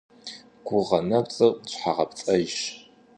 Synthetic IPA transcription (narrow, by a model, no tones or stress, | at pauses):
ɡ̥ʷʊʁɐnɐpt͡sʼɨqt͡ʃʷʼħaʁɐpt͡sʼɐjʃ